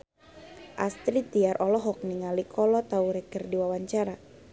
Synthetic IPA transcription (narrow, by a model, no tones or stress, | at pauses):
ʔast̪ɾit̪iaɾʔɔlɔɦɔk̚niŋalikʰɔlɔt̪auɾɛkərdiwawaɲt͡ʃaɾa